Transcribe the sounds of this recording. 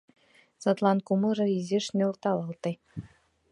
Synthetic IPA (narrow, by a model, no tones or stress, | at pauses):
sɑt̪lˠɑnkumɤ̆rɤ̆izeʃnʲø̆lt̪ɑlˠɑlˠt̪ɤ̆j